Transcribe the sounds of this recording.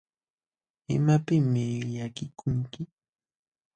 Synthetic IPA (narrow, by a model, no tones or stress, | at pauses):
ɪ̰mapɪmɪʎakɪkʰʊŋkɪ